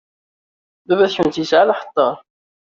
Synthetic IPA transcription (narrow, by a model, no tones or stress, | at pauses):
bævæθçunt̪jəsʕalaħə̥t̪ˤːɑɾ